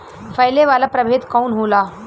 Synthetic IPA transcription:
fəjleʋalapɾəbʱet̪kaunɦola

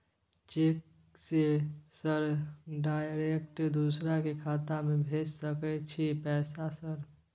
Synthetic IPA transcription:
t͡ʃek | sesəɾɖaːjɾekʈd̪usɾakekʰaːt̪amẽbʱeːd͡ʒsəkɛt͡ʃʰipɛːsasəɾ

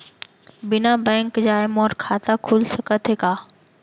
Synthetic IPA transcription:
bɪnabɛ̃ːŋkd͡ʑaːemoːɾkʰaːt̪akʰʊlsɐkət̪ʰekaː

